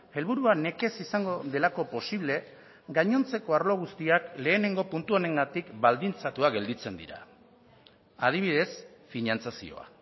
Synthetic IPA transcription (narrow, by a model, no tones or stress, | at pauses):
e̞lβuɾuane̞ke̞sisaŋɡo̞ðe̞lako̞po̞siβ̞le̞ | ɡaɲo̞nt͡se̞ko̞aɾlo̞ɣ̞ust̪iakle̞ːne̞ŋɡo̞punt̪uone̞ŋɡat̪ikbald̪int͡sat̪uaɡe̞ld̪it͡se̞nd̪ḭɾa̰ | að̞iβ̞iðe̞sfinant͡sasḭo̞̰a̰